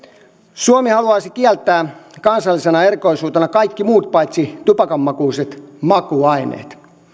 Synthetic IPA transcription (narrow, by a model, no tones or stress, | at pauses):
suomihɑluɑːsikiɛlt̪ːˑæːkɑnsɑlːisenɑerkoisuːt̪enɑkɑikːimuːt̪̚pɑit̪sit̪upɑkɑmːɑkuːset̪mɑkuɑinḛːt̪